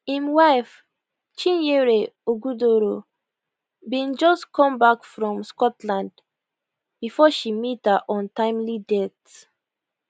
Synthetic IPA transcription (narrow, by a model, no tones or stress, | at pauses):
hĩmwaɪf | t͡ʃĩnjeɹeoɡudoɾo | bĩnd͡ʒɔstkʰɔ̃mbakfɹɔ̃mskɔtlãnd | b̥ifɔʃimithaʔɔ̃ntãɪ̃mlidɛt